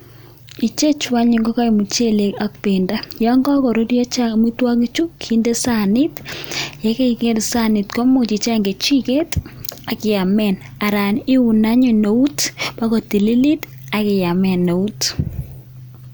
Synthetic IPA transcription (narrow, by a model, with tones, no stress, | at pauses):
i˨t͡ʃe˦t͡ʃwa˦ɲi˨ŋɡɔ˦ka˦i˨mu˨t͡ʃe˦le˨a˦k̚pe˨nda˦jɔ˦ŋɡɔ˦kɔ˨ɾo˦djɔ˦t͡ʃa˦mu˦twa˦ŋi˦t͡ʃu˦kʰi˦nde˦sa˦nɪ˦tja˦ke˦i˨ŋe˦ɾsa˦nɪ˨tko˦mʊ˦t͡ʃi˨t͡ʃa˦ŋɡe˨t͡ʃi˦ke˦ta˨kɪ˨ja˨mɛ˨n | a˨ɾa˨nɪ˦ʊ˨na˦ɲo˨no˨u˦tba˦ko˨ti˨li˦li˦t | a˦kɪ˨ja˨mɛ˨no˨u˦t